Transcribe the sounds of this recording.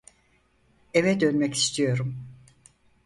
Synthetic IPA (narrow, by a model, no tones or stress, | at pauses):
evɛd̪ønmɛci̥st̪ʰijo̞ɾum